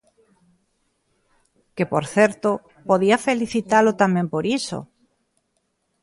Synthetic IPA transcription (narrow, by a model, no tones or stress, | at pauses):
kepoɾθeɾt̪o | poðiafeliθit̪alot̪amẽmpoɾiso̰